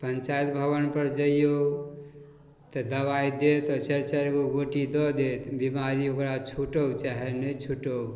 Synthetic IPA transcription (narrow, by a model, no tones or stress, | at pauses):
pənt͡ʃaːjt̪bʱəʋənpəɾd͡ʒəjjo | t̪ɔd̪ɐʋajd̪et̪ɔt͡ʃəɾt͡ʃəɾkoɡoʈid̪ɔd̪et̪bimaɾiokɾat͡ʃʰuʈowt͡ʃaɦenət͡ʃʰuʈow